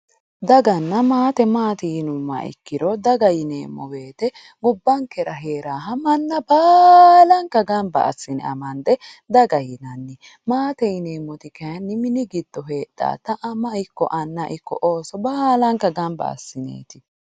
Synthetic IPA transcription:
d̪ɐɡɐnːɐmaːt̪ɛmaːt̪ijnʊmːɐ̰ʔɪ̰kːɪɾɔd̪ɐɡɐjɪnḛːmːɔ̰be̞ːt̪ɛ | ɡʊbːɐŋkɛɾɐɦeːɾaːɦɐmɐnːɐbaːlɐŋkɐɡɐmbɐ̰ʔɐ̰sːɪnɛ̰ɐmɐnd̪ɛ | d̪ɐɡɐjɪnɐnːɛ | maːt̪ɛjɪneːmːɔt̪ɪkɐjɐnːɪmɪnɪɡɪd̪̥ːɔɦeːɗ̥ːa̰ːt̪ɐʔɐmɐɪkːɔ̰ʔɐnːɐʔɪkːɔ̰ʔoːsɔbaːlɐŋkːɐɡɐmbɐ̰ɐ̰sːɪnḛːt̪ɪ

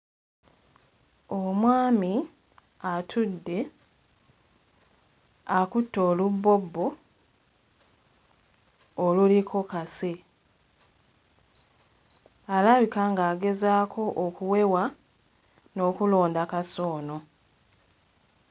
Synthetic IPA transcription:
omwaːmi | atʰudːe̞ | akutːoːlubːo̞bːo̞ | olulikʰo̞kase̞ | alaβikaŋɡaːɡe̞zaːkʰo̞ʔokuwe̞wa | no̞ːkulo̞ːndakaso̞ːno̞

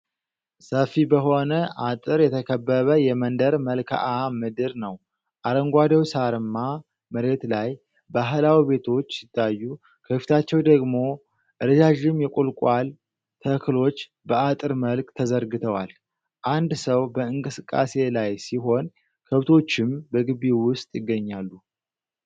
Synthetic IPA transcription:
səfibəɦo̞nəʔat̪ʼɨɾjɛt̪ʰəkʰəbːəβəjɛmənd̪əɾməlkʰa̰ʔamɨd̪ɨɾnəw | ʔaɾəŋɡʷad̪əwsaɾɨmːa | məɾe̞t̪laj | baɦlawibe̞t̪ʰo̞t͡ʃːsɪt̪ʰːajːu | kʰəfi̥t̪ʰat͡ʃːɛwd̪əɡmo̞ | ʔɨɾd͡ʒaʒɪmjɛkʷʼulkʷʼwal | t̪ʰəkʰɨlo̞t͡ʃː | bəat̪ʼɨɾməlkt̪ʰəzəɾɡɨt̪ʰəwa̰l | ʔand̪səwbəɨŋkʼɨsɨkʼːa̰se̞lajsiɦo̞n | kʰəβt̪ʰo̞t͡ʃːɪmbəɡɨβiwʊst̪ʼjɪɡːəɲːalːu

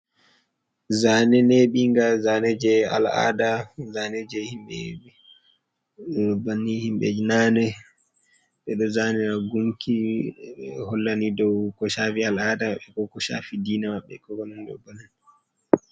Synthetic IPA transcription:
zanɛneɓiŋɡazanɛd͡ʒɛa̰la̰ːdazanɛd͡ʒɛhimɓɛ̰ | banːihimɓɛ̰d͡ʒnanɛ | ɓɛɗɔzanɛɾaɡuŋkʰi | hɔlːanidɔwkɔʃafialaːdaaɓɛkɔkɔʃa̰fidiːnamaɓːɛ̰kɔkɔnɛndɔ̰banin

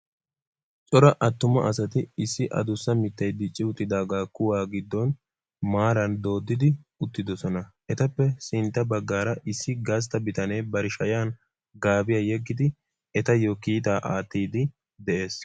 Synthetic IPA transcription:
t͡ʃʼɔɾɐʔɐt̪ːʊmɐʔɐsɐt̪ɪɪsːɪʔɐ̰d̪ʊsːɐmɪt̪ːɐjd̪ɪt͡ʃʼːɪʊt̪ːɪd̪aːɡaːkːʊwaːɡɪd̪ːɔn | maːɾɐnd̪o̞ːd̪ːɪd̪ɪʊt̪ːɪd̪ɔsɔnɐʔɛt̪ɐpːɛsɪnt̪ːɐbɐɡːaːɾɐʔɪsːɪɡas̬t̪ɐbɪt̪ɐneːbɐɾɪʃɐjaːn | ɡaːbɪjɐjɛɡːɪd̪ɪ | ɛt̪ɐjokiːt̪̬aːʔaːt̪ːiːd̪ɪ | d̪ɛʔe̞ːs

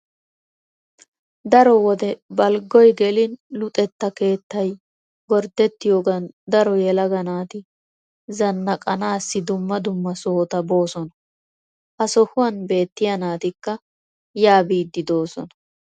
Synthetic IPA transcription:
d̪ɐɾɔwɔd̪ɛbɐlɡɔjɡɛlɪnlʊt̪ʼɛt̪ːɐke̞ːt̪ːɐj | ɡɔɾd̪ɛt̪ːɪjoːɡɐnd̪ɐɾɔjɛlɐɡɐnaːt̪ɪ | zɐnːɐkʼɐnaːsːɪd̪ʊmːɐd̪ʊmːɐsoːt̪ɐbo̞ːsɔnɐ | ʔɐsɔhʊwɐnbe̞ːt̪ːɪjɐnaːt̪ɪkːɐ | jaːbiːd̪ːɪd̪o̞ːsɔ̰nɐ

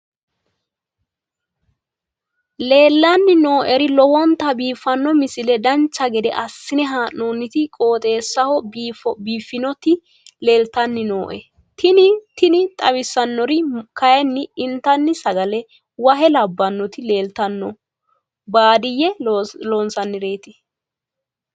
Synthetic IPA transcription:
le̞ːlːɐnːɪno̞ːʔɛɾɪlɔwɔnt̪ɐbiːfːɐnːɔmɪsɪlɛd̪ɐnt͡ʃːɐɡɛd̪ɛ̰ʔɐsːɪnɛɦaːnoːnːɪt̪ɪkʼo̞ːt̪ʼe̞ːsːɐhɔbiːfɔbiːfːɪnɔt̪ɪ | le̞ːlt̪ɐnːɪnoːʔɛ | t̪ɪnɪt̪ɪnɪt̪ʼɐwɪsːɐnːɔɾɪkɐjɛnːɪɪnt̪ːɐnːɪsɐɡɐlɛ | wɐɦɛlɐbːɐnːɔt̪ɪle̞ːlt̪ɐnːɔ | baːd̪ɪjɛloːnsɐnːɪɾeːt̪ɪ

